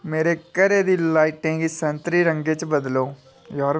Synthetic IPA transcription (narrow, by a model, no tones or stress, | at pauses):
meːɾeːkəɾeːd̪iːlaːiʈẽːŋɡisə̃nt̪ɾiːɾə̃ŋɡeːt͡ʃbəd̪loː | jɔːɾ